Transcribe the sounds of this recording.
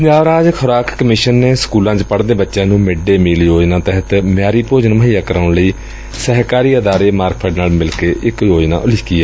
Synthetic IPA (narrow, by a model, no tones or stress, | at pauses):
pəɲd͡ʒaːʋɾaːd͡ʒkʰʊɾaːkkəmɪʃənːeːsə̥kuːlãːd͡ʒpəɽd̪eːbətːʃãːnũːmɪɖeːmɪljoːd͡ʒnaːt̪ɛɦət̪mjaːɾiːpoːd͡ʒənməɦiːjaːkəɾaʊɳləiː | səɦkaːɾiːəd̪aːɾeːmaːɾkpʰəːɖnaːlmɪlkeːʔɪkjoːd͡ʒna̰ːʊlɪːkiːɛː